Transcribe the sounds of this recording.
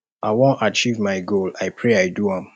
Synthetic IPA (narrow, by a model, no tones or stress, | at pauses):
aɪwõnat͡ʃivmaɪɡolaɪpʰɹeaɪduãm